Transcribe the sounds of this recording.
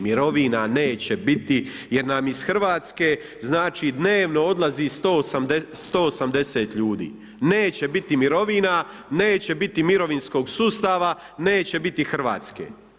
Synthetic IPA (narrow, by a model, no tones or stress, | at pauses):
miɾo̞ʋinane̞ːt͡ɕebit̪ijeɾnaːmisxr̩ʋaːt̪ske̞ː | znaːt͡ʃid̪ne̞ːʋno̞o̞d̪laziːst̪osamd̪est̪o̞ːsamd̪eseːt̪ʎuːd̪ḭː | ne̞ːt͡ɕe̞bit̪imiɾo̞ʋiːna | ne̞ːt͡ɕe̞bit̪imiɾo̞ʋinsko̞ːɡsuːst̪aʋa | ne̞ːt͡ɕe̞bit̪ixr̩ʋa̰ːt̪skḛː